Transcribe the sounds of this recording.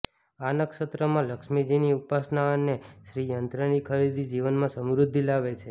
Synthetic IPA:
anəkʃət̪ɾəmãləkʃmid͡ʒiniupasnaəneʃɾijənt̪ɾənikʰəɾid̪ʱid͡ʒiʋənmãsəmɾʊd̪ʱːilaʋet͡ʃʰe

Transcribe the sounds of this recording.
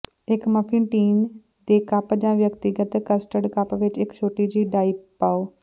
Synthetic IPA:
ɪkməpʰɪ̃nʈiːn | d̪eːkəpd͡ʒãːʋjəkt̪ɪɡət̪kəsʈəɖkəpʋɪt͡ʃɪkt͡ʃʰoːʈiːd͡ʒiːɖaːiːppːaoː

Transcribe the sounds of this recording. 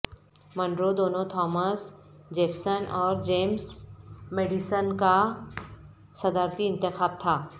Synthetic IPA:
mɐ̃ɳɖɾod̪oːnõt̪ʰɔːməsd͡ʒeːfʰsənʔɔːɾd͡ʒeːmsmeːɖisənka | sɐd̪aːɾt̪iɪ̃nt̪ɪxaːb̚t̪ʰaː

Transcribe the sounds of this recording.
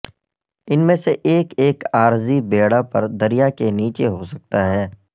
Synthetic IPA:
ɪnmẽseʔeːkeːkaːɾzibeːɽapɐɾd̪ɐɾijakeniːt͡ʃeɦosɐk̚t̪aɦɛː

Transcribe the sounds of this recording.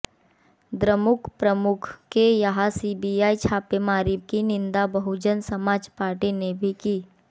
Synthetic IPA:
d̪ɾəmʊkʰpɾəmʊkʰkejɐɦasiːbiaːit͡ʃʰaːpemaːɾiːb̚kinɪ̃nd̪abɐɦud͡ʒənsɐmaːd͡ʒpaːɾʈinebʱikiː

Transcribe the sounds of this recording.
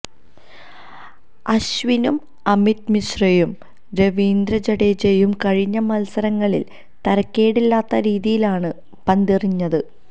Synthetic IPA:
ɐɕʋinum | ɐmit̪̚misrɐjum | ɾeʋiːnd̪ɾɐd͡ʑɐɽet͡ɕejumkɐɻiɲːɐmɐlsɐɾɐŋːɐɭḭl | t̪ɐɾɐkʲːe̞ːɽilːaːt̪ːɐɾiːðijilaːɳɨ | pɐnd̪iriɲːɐðɨ

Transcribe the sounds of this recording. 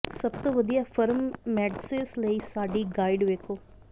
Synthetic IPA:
səb̚t̪õːʋəd̪ijaːfʰəɾmːɛːɖsesləiːsaːɖiːɡaːɪɖʋeːkoː

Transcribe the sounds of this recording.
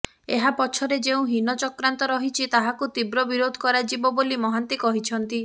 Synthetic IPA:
eɦapɔt͡ʃʰɔɾed͡ʒeũɦinɔt͡ʃɔkɾant̪ɔɾɔɦit͡ʃʰit̪aɦakut̪ibɾɔbiɾod̪ʱɔ̥kɔɾad͡ʒibɔbolimɔɦant̪ikɔɦit͡ʃʰɔnt̪i

